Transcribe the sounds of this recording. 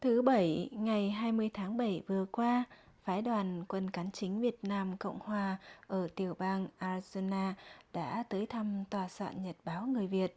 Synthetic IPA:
t̪ʰɨ˨˦ɓə˧˩jŋa˨˩jɦaː˧jmɨ˧əjt̪ʰaː˨˦ŋɓə˧˩jvɨ˨˩əkwaː˧ | faː˨˦jɗwaː˨˩nkwə˧nkaː˨˦nt͡ɕï˨˦ŋ̟vi˨˩ət̚naː˧mkə̰˧˨wŋ͡mhwaː˨˩ʔəː˧˩t̪i˨˩əwɓaː˧ŋʔaː˧zo˧naː˧ɗa̰ː˧˥t̪əː˨˦jt̪ʰa˧mt̪waː˨˩sa̰ː˧˨nɲə˨˩t̚ɓaː˨˦wŋɨ˨˩əjvi˨˩ət̚

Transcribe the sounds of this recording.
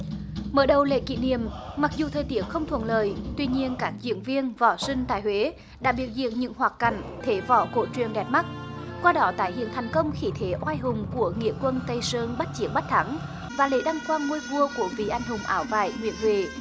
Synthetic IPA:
məː˨˩ɗə˨˩wlḛ˧˨kḭ˧˨nḭ˧˨əmma˨˩k̚zu˨˩t̪ʰəː˨˩jt̪i˨˦˥əkxə˧wŋ͡mt̪ʰwə̰˧˨nləː˧˨jt̪wi˧ɲi˧ənkaː˦˥k̚zḭ˧˥ənvi˧ənvɔ˧˩sï˧ŋ̟t̪aː˧˨jhwe˨˦ | ɗa̰ː˧˥ɓi˨˩ək̚zḭ˧˨əŋ̚ɲɨ̰˧˥ŋɦwaː˨˩kka˧˩jŋ̟t̪ʰe˨˦vɔ˧˩ko̰˧˩t͡ɕwi˨˩ənɗɛ˨˩p̚ma˦˥t̚kwaː˧ɗɔ˨˦t̪a̰ː˧˨jhḭ˧˨nt̪ʰɛ˨˩jŋ̟kə˧wŋ͡mxi˧˩t̪ʰe˨˦ʔwaː˧jɦʊ˨˩ŋ͡mku˧˩əŋḭ˧˨əkwə˧nt̪ə˧jsəː˧nɓa˦˥t̚t͡ɕi˧˦ək̚ɓa˦˥t̚t̪ʰa˨˦ŋ | vaː˨˩lḛ˧˥ɗa˧ŋxwaː˧nŋu˧əjvu˧əku˧˩əvi˨˩ʔa˧jŋ̟hʊ˨˩ŋ͡mʔaː˨˦wva̰ː˧˨jŋwḭ˧˨ənvḛ˨˩

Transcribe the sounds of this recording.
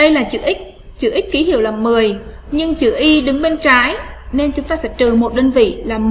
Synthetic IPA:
ɗə˧jlaː˨˩t͡ɕɨ̰˧˩ʔï˦˥k̟̚ | t͡ɕɨ̰˧˩ʔi˦˥k̟̚ki˨˦hḭ˧˩əwlaː˨˩mɨ˨˩əj | ɲɨ˧ŋt͡ɕɨ̰˧˩ʔi˧ɗɨ˨˦ŋɓe˧nt͡ɕaː˨˦jne˧nt͡ɕʊ˨˦ŋ͡mt̪aː˧sɛ̰˧˥t͡ɕ̪ɨ˨˩mo˨˩t̚ɗəː˧nvḭ˧˨laː˨˩m

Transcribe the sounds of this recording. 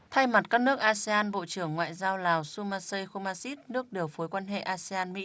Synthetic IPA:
t̪ʰa˧jma˨˩t̚kaː˦˥k̚nɨ˦˥ək̚ʔaː˧se˧aː˧nɓo̰˧˨t͡ɕɨ˧˩əŋːwa̰ː˧˨jzaː˧wlaː˨˩wsu˧maː˧sə˧jxo˧maː˧si˦˥t̚nɨ˦˥ək̚ɗi˨˩əwfu˨˦jkwaː˧nɦḛ˧˨ʔaː˧si˧aː˧nmḭ˧˥

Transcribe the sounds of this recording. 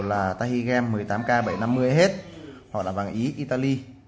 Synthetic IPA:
laː˨˩t̪aː˧hi˧ɣɛ˧mːɨ˨˩əjt̪aː˨˦mkaː˧ɓə˧˩jna˧mːɨ˧əjɦe˦˥t̚hɔ̰˧˨la̰ː˧˨˩vaː˨˩ŋʔi˨˦ʔi˧t̪aː˧li˧

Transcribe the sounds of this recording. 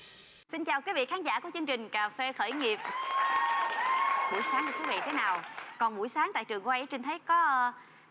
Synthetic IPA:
si˧nt͡ɕaː˨˩wki˨˦˥vḭ˧˨xaː˨˦nza̰ː˧˥ku˧˩˦t͡ɕɨ˧əŋt͡ɕï˨˩ŋ̟kaː˨˩fe˧xəː˧˩jŋi˨˩əp̚ː | ɓu˧˩jsaː˨˦ŋka˨˧˩t̪ʰu˨˦vḭ˧˨t̪ʰe˨˦naː˨˩wkɔ˨˩nɓu˧˩jsaː˨˦ŋt̪a̰ː˧˨jt͡ɕɨ˨˩əŋkːʔə˨˦jt͡ɕe˧nt̪ʰə˨˦jkɔ˨˦˧

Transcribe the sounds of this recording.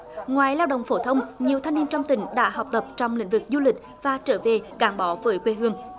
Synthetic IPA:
ŋwaː˨˩jlaː˧wɗə̰˧˨wŋ͡mfo˧˩t̪ʰə˧wŋ͡mɲi˨˩əwt̪ʰa˧jŋni˧nt͡ɕɔ˧wŋ͡mt̪ï˧˨˦ŋ̟ɗa̰ː˧˥ɦɔ˨˩wk͡p̚t̪ə˨˩p̚t͡ɕɔ˧wŋ͡mlḭ̈˧˥ŋ̟vɨ˨˩k̚zu˧lï˨˩k̟̚ | vaː˨˩t͡ɕəː˧˩ve˨˩kaː˧˦nɓɔ˨˦vəː˨˦jkwe˧ɦɨ˧əŋ

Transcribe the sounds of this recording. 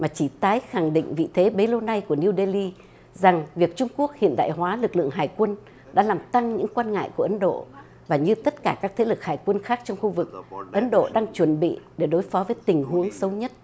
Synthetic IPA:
maː˨˩t͡ɕi˧˩t̪aː˨˦jxa˨˧˩ŋɗḭ˧˨ŋ̟vḭ˧˨t̪ʰe˨˦ɓe˨˦lo˧na˧jku˧˩əni˧wɗe˧li˧ | za˨˩ŋvi˨˩ək̚t͡ɕʊ˧ŋ͡mku˦˥ək̚hḭ˧˨ənɗa̰ː˧˨jɦwaː˨˦lɨ˨˩k̚lɨ̰˧əŋɦaː˨˩jkwə˧n | ɗa̰ː˧˥laː˨˩mt̪a˧ŋɲɨ̰˧˥ŋkwaː˧nŋa̰ː˧˨jku˧˩əʔə˨˦nɗo̰˧˨ | vaː˨˩ɲɨ˧t̪ə˦˥t̚kaː˧˩kaː˦˥k̚t̪ʰe˨˦lɨ˨˩k̚haː˨˩jkwə˧nxaː˦˥k̚t͡ɕɔ˧wŋ͡mxu˧vɨ˨˩k̚ʔə˨˦nɗo̰˧˨ɗaː˧ŋt͡ɕwə˧˩nɓḭ˧˨ɗe˧˩ɗo˨˦jfɔ˨˦vəː˨˦jt̪ï˨˩ŋ̟ɦu˨˦əŋsə˨˦wɲə˦˥t̚

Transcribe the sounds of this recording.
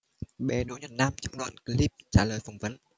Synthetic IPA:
ɓe˨˦ɗo˨˦jɲə˨˩t̚na˧mt͡ɕɨ˦˥k̚ɗwa̰ː˧˨nki˧˦li˦˧˩p̚t͡ɕaː˧˩ləː˨˩jfa˨˧˩wŋ͡mvə˨˦n

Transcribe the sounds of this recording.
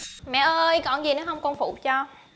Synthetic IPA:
mɛ̰˧˨ʔəː˧jkɔ˧˩˨nzi˨˩nɔ˨˦ɦə˧wŋ͡mkɔ˧nfṵ˧˨t͡ɕɔ˧

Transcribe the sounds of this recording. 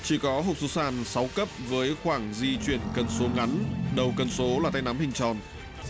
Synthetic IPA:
t͡ɕi˧˩kɔ˨˦ɦo˨˩p̚su˨˦wsaː˧˩nsa˨˦wkə˦˥p̚vəː˨˦jxwaː˧˩ŋzi˧t͡ɕwi˧˩ənkə˧˩nso˨˦ŋa˨˦nɗə˨˩wkə˨˧˩nso˨˦laː˨˩t̪a˧jna˨˦mhï˨˩ŋ̟t͡ɕɔ˨˩n

